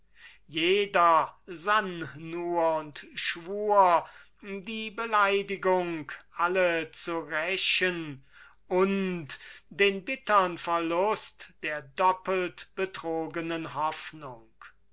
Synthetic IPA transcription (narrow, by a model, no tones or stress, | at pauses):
jeːdɐzannuːɐʊntʃv̥uːɐ | diːbəlaɪdɪɡʊŋkʔalət͡suʁɛʃən | ʔʊntd̥eːnbɪtənfɛɐlʊstd̥eːɐdɔpəltb̥ətʁ̥oːɡənənɦɔfnʊŋk